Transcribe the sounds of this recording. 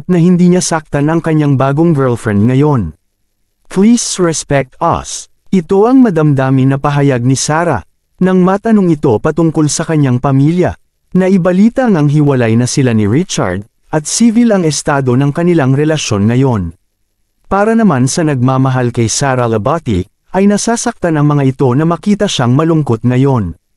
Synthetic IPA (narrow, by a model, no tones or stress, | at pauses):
nɐhɪnd̪iːɲasak̚t̪ɐnɐŋkɐɲːaŋbaːɡo̞ŋbɛɹlfɹɛnd̪̚ŋɐjo̞n | pliːsɹɛspɛk̚t̪ɐ̰s | ʔɪt̪o̞ʔɐŋmɐd̪ɐmd̪aːmɪnɐpɐɦɐjaɡ̚nɪsaːɾɐ̰ | nɐŋmaːt̪ɐnoŋɪt̪o̞pɐt̪ʊŋko̞lsɐkɐɲːaŋpɐmiljɐ | nɐʔɪbɐliːt̪ɐŋɐŋɦɪwɐlajnɐsɪlaniɹɪt͡ʃɐ̰ɹd̪̚ | ʔɐt̪̚siːvɪlɐŋɛst̪aːd̪o̞nɐŋkɐnɪlaŋɾɛlɐʃo̞nŋɐjo̞n | paːɾɐnɐmansɐnɐɡ̚maːmɐɦalkɐjsaːɾɐlɐbat̪ḭ | ʔɐjnɐsaːsɐk̚t̪anɐŋmɐŋaʔɪt̪o̞nɐmɐkiːt̪ɐʃaŋmɐlʊŋko̞t̪̚ŋɐjo̞n